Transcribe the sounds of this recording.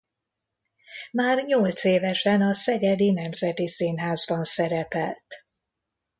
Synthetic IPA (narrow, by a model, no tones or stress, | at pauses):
maːrɲolt̪seːvɛʃɛnɒsɛɡɛd̪inɛmzɛt̪isinɦaːzbɒnsɛɾɛpɛlt̪